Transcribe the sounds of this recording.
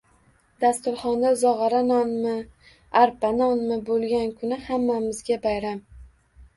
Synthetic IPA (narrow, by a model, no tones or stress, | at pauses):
d̪̥ast̪ʊɾχɒnd̪azɒʁɑɾanɒnmɪ | aɾpanɒnmɪbolˠɡʲankʰʊnɪhamːamɪzɡʲabajɾam